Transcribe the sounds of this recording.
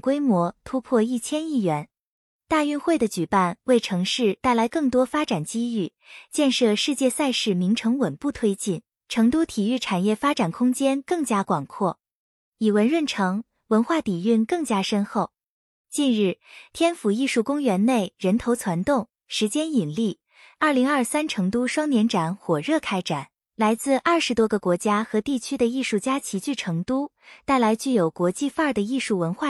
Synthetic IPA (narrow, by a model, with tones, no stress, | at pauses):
kwe˥ɪmwɔ˧˥t̪ʰu˥pʰwɔ˥˧i˥˩t͡ɕʰjɛ˥ni˥˩ɥɛ˧˥n | t̪a˥˧y˥˧nxwe˥˩ɪd̪ə˩t͡ɕy˨˩pa˥˩nwe˥˩ɪʈ͡ʂʰɤ˧˥ŋʂɻ̩˥˧t̪a˥˩ɪla˧˥ɪkɤ˥˩ŋt̪wɔ˥fa˥ʈ͡ʂa˨˩nt͡ɕi˥y˥˩ | t͡ɕjɛ˥˧nʂɤ˥˧ʂɻ̩˥˧t͡ɕjɛ˥˧sa˥˧ɪʂɻ̩˥˩mi˧˥ŋʈ͡ʂʰɤ˧˥ŋwə˨˩npu˥˩t̪ʰwe˥ɪt͡ɕi˥˩n | ʈ͡ʂʰɤ˧˥ŋt̪u˥t̪ʰi˨˩y˥˩ʈ͡ʂʰa˨˩njɛ˥˩fa˥ʈ͡ʂa˨˩nkʰʊ˥ŋt͡ɕjɛ˥nkɤ˥˩ŋt͡ɕja˥kwɑ˨˩ŋkʰwɔ˥˩ | i˨˩wə˧˥nɻwə˥˩nʈ͡ʂʰɤ˧˥ŋ | wə˧˥nxwa˥˩t̪i˨˩y˥˩˧nkɤ˥˩ŋt͡ɕja˥ʂə˥nxo˥˩ʊ | t͡ɕi˥˧nɻɻ̩˥˩t̪ʰjɛ˥nfu˨˩i˥˧ʂu˥˩kʊ˥ŋɥɛ˧˥nne˥˩ɪɻə˧˥nt̪ʰo˧˥ʊt͡sʰwa˧˥nt̪ʊ˥˩ŋ | ʂɻ̩˧˥t͡ɕjɛ˥ni˨˩nli˥˩ | ɐ˞˥˩li˧˥ŋɐ˞˥˧sa˥nʈ͡ʂʰɤ˧˥ŋt̪u˥ʂwɑ˥ŋnjɛ˧˥nʈ͡ʂa˨˩˦nxwɔ˨˩ɻɤ˥˩kʰa˥ɪʈ͡ʂa˨˩˦n | la˧˥ɪt͡sɹ̩˥˧ʔɐ˞˥˩ʂɻ̩˧˥t̪wɔ˥ɡə˧kwɔ˧˥t͡ɕja˥xɤ˧˥t̪i˥˩t͡ɕʰy˥d̪ə˨i˥˧ʂu˥˩t͡ɕja˥t͡ɕʰi˧˥t͡ɕy˥˩ʈ͡ʂʰɤ˧˥ŋt̪u˥ | t̪a˥˩ɪla˧˥ɪt͡ɕy˥˩jo˨˩ʊkwɔ˧˥t͡ɕi˥˧fa˥˩d̪ə˩i˥˧ʂu˥˩wə˧˥nxwa˥˩